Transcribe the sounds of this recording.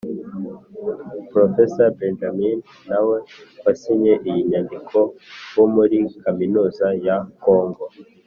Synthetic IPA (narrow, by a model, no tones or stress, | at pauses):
pɾofesaɾbend͡ʒaminː | awewasiɲe̞ʔijiɲandikʰo̞womuɾikaminuːzajako̞ːŋɡo̞